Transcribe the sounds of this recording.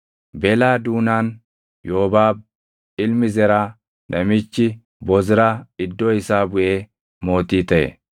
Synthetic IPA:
bɛlaːd̪uːnaːn | joːbaːb̚ | ɪlmɪzɛɾɐ | nɛmɪt͡ʃːɪ | bɔzɪɾaɪd̪ːɔɪsaːbʊjeː | mo̞ːt̪iːt̪ɛḛ

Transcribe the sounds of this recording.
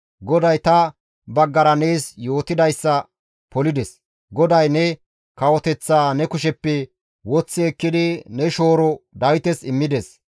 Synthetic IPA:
ɡɔd̪ɐjt̪ɐ | bɐɡːɐɾɐne̞ːsjo̞ːt̪ɪd̪ɐjsːɐ | pɔlɪd̪ɛs | ɡɔd̪ɐjnɛ | kɐwɔt̪ɛt͡sːaːnɛkʊʃɛpːɛ | wɔt͡sːɪɛkːɪd̪ɪnɛʃo̞ːɾɔd̪ɐwt̪ɛsɪmːɪd̪ɛs

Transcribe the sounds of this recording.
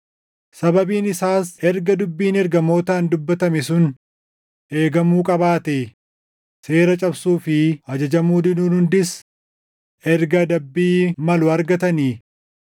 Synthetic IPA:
sɐbɐbiːnɪsaːsɛɾɡɐd̪ʊbːiːnɛɾɡɐmo̞ːt̪aːnd̪ʊbːɐt̪ɐmɛsʊn | ʔe̞ːɡɐmuːkʼɐbaːt̪eː | se̞ːɾɐt͡ʃʼɐbsuːfɪɐd͡ʒɐd͡ʒɐmuːd̪ɪnuːnhʊnd̪ɪs | ʔɛɾɡɐd̪ɐbːiːmɐlʊɐɾɡɐt̪ɐni

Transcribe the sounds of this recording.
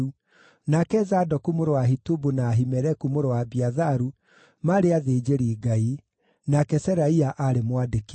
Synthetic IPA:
u | nakɛzadɔkumoɾoaɦitubunaːɦimɛɾɛkumoɾowabiaðaɾu | maɾeaðeːd͡ʒeɾiːɡai | nakɛsɛɾaiaʔaɾemwadek

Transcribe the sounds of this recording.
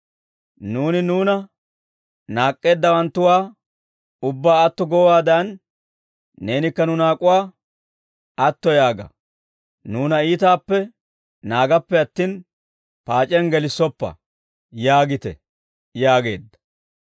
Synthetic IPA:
nuːnɪnuːnɐ | naːkʼːe̞ːd̪ːɐwɐnt̪ːʊwaː | ʊbːaːɐt̪ːɔɡɔwwaːd̪ɐnː | e̞ːnɪkːɐnʊnaːkʼʊwaː | ɐt̪ːɔjaːɡɐ̰ | nuːnɐiːt̪aːpːɛ | naːɡɐpːɛɐt̪ːiːn | paːt͡ʃʼɛnɡɛlɪsːɔpːɐ̰ | jaːɡɪt̪ɛ̰ | jaːɡe̞̰ːd̪ːɐ̥

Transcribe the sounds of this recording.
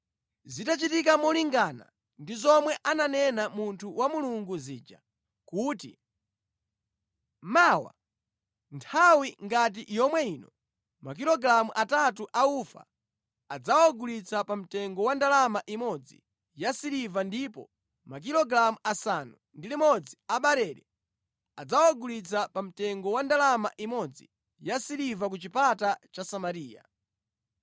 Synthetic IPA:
zitat͡ʃitikamɔliŋɡana̰ | ndizɔmwɛʔananɛnamuntʰuwamuluŋɡuziːd͡ʒa̰ | kuːtḭ | maːwa̰ | ntʰawiŋɡat̬ijɔmwɛiːnɔ̰ | mak̬ilɔɡɾamuʔatat̬uʔaufa̰ | ad͡zawaɡulit͡sapam̩tɛŋɡɔwandalamaʔimɔd͡zḭ | jasiɾivandipɔ̰ | mak̬iɾɔɡɾamuʔasanu | ndilimɔd͡ziaɓaɾɛɾɛ | ad͡zawaɡulit͡sapam̩tɛŋɡɔwandalamaʔimɔd͡zḭ | jasiɾivak̬ut͡ʃipatat͡ʃasamaɾiːja̰

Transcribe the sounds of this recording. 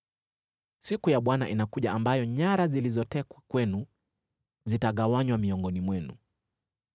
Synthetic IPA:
sikujaɓwana̰ʔinakuʄaambajɔɲaɾazilizɔtɛkwakwɛnu | zitaɠawaɲwamiɔŋɡɔnimwɛnṵ

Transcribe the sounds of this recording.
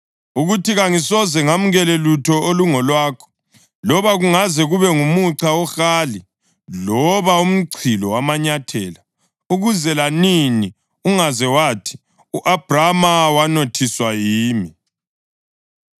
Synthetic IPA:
uɣutiɣaŋisɔzɛŋam̩ɣɛlelutʰɔoluŋɔlwaːkʰɔ̥ | lɔβaɣuŋazɛɣuβɛŋumuǀaɔxaːli | lɔβaum̩ǀʰilɔwamaɲatʰɛːla | uɣuzɛlanini | uŋazɛwaːtʰi̥ | uʔab̥ramawanotʰiswajiːmi

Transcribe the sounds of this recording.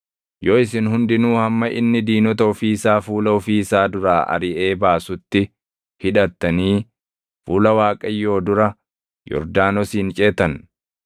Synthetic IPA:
joːɪsɪnhʊnd̪ɪnuːhɐmːɐʔɪ̰nːɪd̪iːnɔt̪ɐʊfiːsaːfuːlɐʊfiːsaːd̪ʊɾaːʔɐ̰ɾɪʔeːbaːsʊt̪ːɪ | hɪᶑɐt̪ːɐniː | fuːlɐwaːkʼɐjːo̞ːd̪ʊɾɐ | jɔ̰ɾd̪aːnɔsiːnt͡ʃʼeːt̪ɐn

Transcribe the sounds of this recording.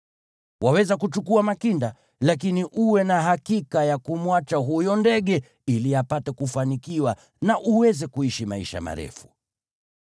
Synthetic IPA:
wawɛzakut͡ʃukuamakinda | lak̬iniʔuwɛnaɦakikajakumwat͡ʃaɦujɔndɛɠɛ | iliapatɛkufanikiwa | naʔuwɛzɛkuiʃimaiʃa̰ma̰ɾɛ̰fu̥

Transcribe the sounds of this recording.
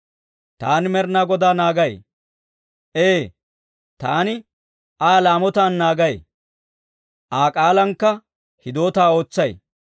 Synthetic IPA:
t̪a̰ːnɪmɛɾnaːɡɔd̪aːnaːɡɐj | ʔeː | t̪aːnɪ | aːlaːmɔt̪aːnːaːɡɐj | ʔaːkʼaːlɐŋkːɐ | hɪd̪o̞ːt̪aːo̞ːt͡sːɐj

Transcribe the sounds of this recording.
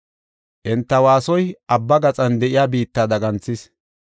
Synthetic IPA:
ʔɛnt̪ːɐwaːsɔjʔɐbːɐɡɐt͡sʼɐnd̪ɛʔɪjaːbiːt̪ːaːd̪ɐɡɐnt͡sːɪs

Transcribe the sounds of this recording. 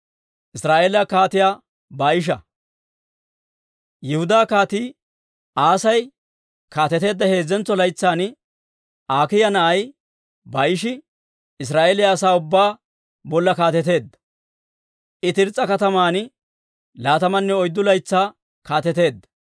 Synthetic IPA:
ʔɪsɾaːʔeːlɐkaːt̪ɪjaː | baːjɪʃ̬ɐ | jɪhʊd̪aːkaːt̪iː | ʔaːsɐj | kaːt̪ɛt̪e̞ːd̪ːɐhe̞ːzːɛnt͡sːɔlɐjt͡sːaːn | ʔaːkɪjɐnɐʔɐj | baːjɪʃɪ | ɪs̬ɾaːʔeːlɪjaːsaːʊbːaː | bɔlːɐkaːt̪ɛt̪e̞ːd̪ːɐ | ʔɪt̪ɪɾt͡sʼːɐkɐt̪ɐmaːn | laːt̪ɐmɐnːɛɔjd̪ːʊlɐjt͡sːaː | kaːt̪ɛt̪e̞ːd̪ːɐ

